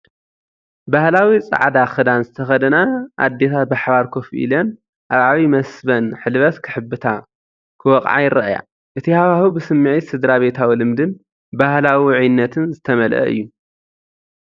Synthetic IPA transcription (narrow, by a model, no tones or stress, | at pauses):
bahlawit͡sʼa̰ʕd̪axɨd̪anzɨt̪ʰɐxɐd̪ɐnaʔa̰d̪ːet̪ʰat̪̚baħβaɾkʰofʔḭlan | ʔaβʕaβimɐsbɐnħɨlβɐt̪kʰɨħɨbːɨt̪ʰa | kʰɨwɔqʼʕa̰jɪɾɐʔja̰ | ʔɨt̪ʰihaβahubɨsɨmːɨʕit̪sɨd̪ɾaβe̞t̪ʰawilɨmd̪ɨn | bahlawiʕinːɐt̪ʰɨnzɨt̪ʰɐmɐlʔɐ̰ʔɨ̰jːu